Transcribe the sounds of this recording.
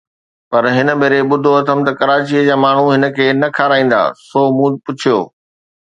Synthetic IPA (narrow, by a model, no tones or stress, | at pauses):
pɐɾɦɪnə̆beːɾeɓʊd̪ʱoɐt̪ʰəmt̪ɐkɐɾaːt͡ɕiəd͡ʑaːmaːɳ̤uɦɪnə̆kʰeːnɐkʰaːɾaːĩːn̆d̪a̰ːsoːmũːpʊt͡ɕʰijo̰ː